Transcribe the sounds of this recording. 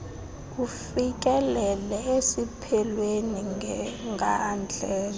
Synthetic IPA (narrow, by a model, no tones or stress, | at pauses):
ufik̬ʼɛlɛlɛesipʰɛlweniŋŋɡʱand͡ɮʱɛ